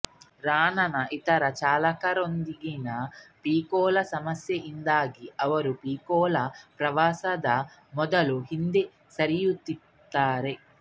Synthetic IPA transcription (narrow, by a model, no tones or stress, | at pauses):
ɾaːnɐnɐʔit̪ɐɾɐt͡ʃaːlɐkɐɾond̪iɡinɐpiːkɔːlɐsɐmɐsjɐʔind̪aːɡiɐʋɐɾupiːkɔːlɐpɾɐʋaːsɐd̪ɐ | mɔd̪ɐluɦind̪e | sɐɾijut̪i | t̪ːaːɾe